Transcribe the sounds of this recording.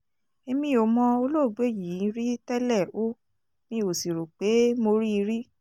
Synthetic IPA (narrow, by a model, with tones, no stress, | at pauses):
e˧mĩ˧o˨mɔ̃˧o˧lo˦˨ɡ͡be˦˨jĩ˨˦ɾi˦tɛ˦lɛ˦˨o˦ | nĩ˧˦o˨si˨ɾo˨k͡pe˨˦mo˧ɾi˦i˧ɾi˦